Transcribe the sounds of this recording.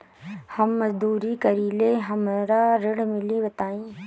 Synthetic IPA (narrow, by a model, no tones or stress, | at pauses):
hɐmːɐzd̪uːɾikɐɾileːɦɐmɾaɾɪɽmɪlibət̪aːĩː